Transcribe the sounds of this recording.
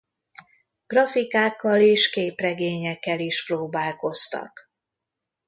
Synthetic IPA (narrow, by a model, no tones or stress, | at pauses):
ɡ̥rɒfikaːkːɒleːʃkeːprɛɡeːɲɛkːɛliʃproːbaːlko̞st̪ɒ̰k